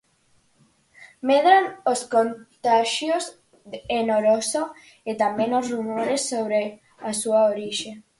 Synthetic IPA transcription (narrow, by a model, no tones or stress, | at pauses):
meðɾanoskont̪aʃjoz | enoɾoso | et̪ambẽnosrumoɾesːoβɾe | asuaoɾiʃe